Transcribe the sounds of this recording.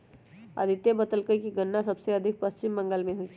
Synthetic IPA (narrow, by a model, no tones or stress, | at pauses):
ɐ̰d̪ʱɪt̪jebət̪əlkəikiɡənːasɐbseɐd̪ʱɪk̚pəst͡ʃɪmːə̃ŋɡəlmẽɦoit͡ʃʰi